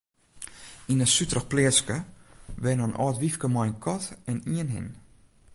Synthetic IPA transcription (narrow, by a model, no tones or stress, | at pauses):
inəsytrəxplɪəskəʋɛnənʔɔ̰ːtʋifkəmɔjnkʰɔtɛniənɦɪ̰n